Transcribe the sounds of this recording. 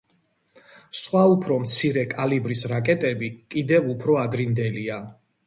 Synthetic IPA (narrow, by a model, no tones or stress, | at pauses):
sχwaupʰɾɔmt̪sʰiɾɛkʼalibɾisɾakʼɛt̪ʼɛbikʼid̪ɛvupʰɾɔad̪ɾind̪ɛlia